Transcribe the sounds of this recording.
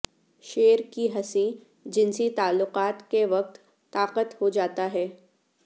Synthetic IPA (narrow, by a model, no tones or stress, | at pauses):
ʃeːɾkiɦɐsĩ | d͡ʒɪnsit̪aːlːʊqaːt̪keʋɐq̚t̪ː | aːqət̪hod͡ʒaːt̪aɦɛː